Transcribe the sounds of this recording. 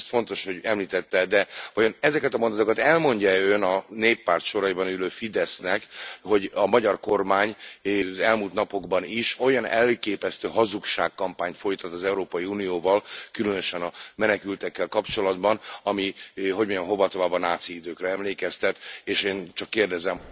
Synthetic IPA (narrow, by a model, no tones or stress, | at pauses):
st̪fo̞nt̪o̞ʃho̞ɟɛmliːt̪ɛt̪ːɛd̪ɛvɒjo̞nɛzɛkɛt̪ɒmo̞nd̪t̪okɒt̪ɛlmo̞ɲɟaønɒneːpːaːrt̪ʃo̞ɾɒibɒnyløːfid̪ɛsnɛkho̞ɟɒmɒɟɒrko̞rmaːɲzɛlmult̪nɒpo̞ɡbɒniʃo̞jɒnɛlkeːpɛst̪øːɦɒzukʃaːkkɒmpaːɲt̪fo̞jt̪ɒt̪ːɒzɛuɾoːpɒjiuːnijoːvɒlkylønøʃɛnɒmɛnɛkylt̪ɛkːɛlkɒpt͡ʃo̞lɒd̪bɒnɒmiɦo̞ɟmoɲonɦo̞vɒt̪ovaːbɒnaːt̪siid̪øːkrɛɛmleːkɛst̪ɛt̪eːʃeːnt͡ʃɒkːeːrd̪ɛzɛm